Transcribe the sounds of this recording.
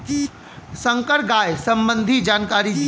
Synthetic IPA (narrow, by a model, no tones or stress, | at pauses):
sə̃ŋkəɾɡaːjsɐ̃mbə̃nd̪ʱid͡ʒaːnkaːɾi